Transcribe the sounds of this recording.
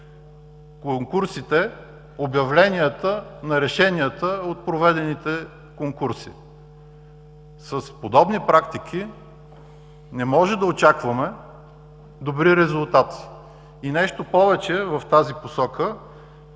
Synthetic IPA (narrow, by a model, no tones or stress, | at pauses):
koŋkuɾsit̪ɛ | objɐvlɛnʲiət̪ənɐɾɛʃɛniət̪əot̪̚pɾovɛd̪ɛnit̪ɛ | koŋkuɾsḭ | səspod̪ɔbnipɾakt̪ik̟ʰi | nɛmɔʒɛd̪ɐot͡ʃakvɐmɛ | d̪obɾiɾɛzulˠt̪at̪ | inɛʃt̪opɔvɛt͡ʃɛvɐft̪aziposɔkə